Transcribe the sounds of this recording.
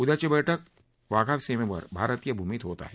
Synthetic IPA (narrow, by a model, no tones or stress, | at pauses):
ʊd̪ɐt͡ʃebɛʈʰək̚ | ʋaːɡʱaːʋseːmẽpɐ̰ɾbʱaːɾət̪ijɐbʱumit̪ɦoːt̪a̰ɦɛ